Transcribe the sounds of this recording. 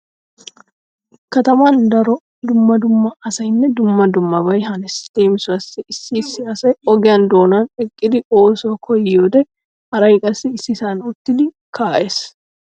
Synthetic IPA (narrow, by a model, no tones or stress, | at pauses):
kɐt̪ɐmand̪ɐɾɔ | d̪ʊmːɐd̪ʊmːɐɐsɐjnːɛd̪ʊmːɐd̪ʊmːɐbɐjɦɐnɛsd̪̥e̞ːmɪsʊɐsːɪɪsːɪːsːɪɐsɐjɔɡɪjɐnd̪o̞ːnɐnɛkʼːɪd̪ɪoːsʊwɐkʰɔjɪjoːd̪ɛ | hɐɾɐjkʼɐsːɪːsːɪsanʊt̪ːɪd̪ɪ | kʰaːʔeːs